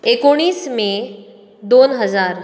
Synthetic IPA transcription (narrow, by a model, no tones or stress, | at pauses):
eːkoɽ̃iːsmẽ | d̪oːnɦəzaːɾ